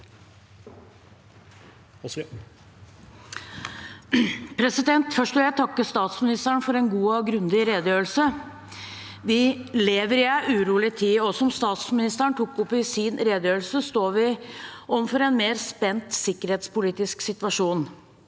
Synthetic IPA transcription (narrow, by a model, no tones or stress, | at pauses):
pʰɾɛsɪd̪ɛnt̪fœʂʈʋɪljæɪt̪ʰɑkːəst̪ɑːt̪smɪnɪst̪əɳfɔɾɛnɡuːɑɡɾʉnd̪ɪɾeːd̪əjøːlsə | ʋɪleːʋəɾɪæɪʔʉːɾuːlɪt̪ʰiːɔsɔmst̪ɑːt̪smɪnɪst̪əɳt̪ʰukːʊpːɪsinɾeːd̪əjøːlsəst̪oːʋɪʔɔmfɔɾɛnmeːɾspɛnt̪sɪkːəɾheːt̪spʊliːt̪ɪsksɪt̪ʋɑʂuːn